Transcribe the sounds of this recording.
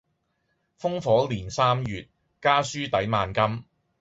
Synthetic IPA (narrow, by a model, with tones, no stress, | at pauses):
fʊ˥ŋfɔː˨˥liː˨˩nsaː˥mjyː˨t̚ | kaː˥syː˥t̪ɐ˨˥jmaː˨˧nkɐ˥m